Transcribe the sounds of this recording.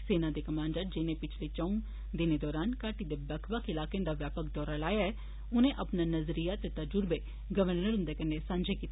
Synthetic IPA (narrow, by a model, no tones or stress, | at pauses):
seːnãːd̪eːkəmãːɳɖəɾd͡ʒɪnẽːpɪt͡ʃʰleːt͡ʃəũ | d̪ɪneːd̪ɔːɾaːnkaːʈiːd̪eːbɛkʰʋəkɪlaːkẽd̪aːʋjaːpək̚ʰd̪ɔːɾalaːjaɛː | ʊnẽːʔəpnaːnəzɾijaːt̪et̪əd͡ʒʊɾbeː | ɡəʋəɾnəɾɦʊ̃nd̪eːkənːesãːɲd͡ʒeːkiːt̪e